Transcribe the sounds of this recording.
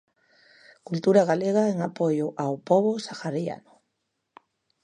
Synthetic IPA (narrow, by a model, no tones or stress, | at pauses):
kult̪uɾaɣaleɣ̞aeŋapojʊʔawpoβosaxaɾia̰nʊ